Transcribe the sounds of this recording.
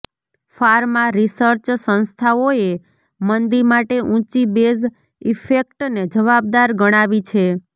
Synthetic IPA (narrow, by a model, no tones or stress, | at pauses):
faɾmãɾisəɾt͡ʃsə̃nst̪ʰaoe | mənd̪iɾmaʈeʔũt͡ʃibez | ifekʈned͡ʒəʋab̚d̪aɾɡəɽ̃aʋit͡ʃʰe